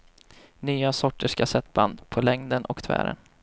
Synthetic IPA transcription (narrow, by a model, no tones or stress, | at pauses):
nyːasɔʈːəʂkasɛt̪ːband̪pʰɔlɛŋd̪ənʔɔkt̪ʰvæ̰ːɾə̰n